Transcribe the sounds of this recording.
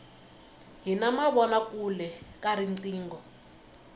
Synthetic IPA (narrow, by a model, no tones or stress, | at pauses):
ɦinamaβɔnakulɛkaɾinǀiːŋɡɔ